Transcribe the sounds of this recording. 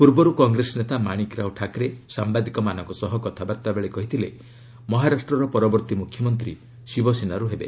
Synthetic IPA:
puɾbɔɾukɔŋɡɾesɔnet̪amaɽ̃ikɾawʈʰakɾesambad̪ikɔmanɔŋkusɔɦɔkɔt̪ʰabaɾt̪abeɭekɔɦit̪ʰilḛ | mɔɦaɾasʈɾɔɾɔpɔɾɔbɔɾt̪imukʰjɔmɔnt̪ɾi | sibɔsinaɾuɦebḛ

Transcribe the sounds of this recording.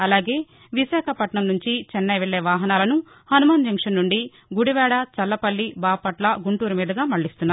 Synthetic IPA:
ɐlaːɡeː | ʋiʃaːkʰɐpɐʈɳɐmnuɲt͡ʃit͡ʃɛnːɐjʋeɭːeːʋaːɦɐnaːlɐnu | hɐnumaːnd͡ʒɐŋkʂɐnːuɳɖi | ɡuɽiʋɛːɽɐt͡ʃɐlːɐpɐlːibaːpɐʈlɐɡuɳʈuːɾumiːd̪ɐɡaːmɐɭːist̪unːaːɾ

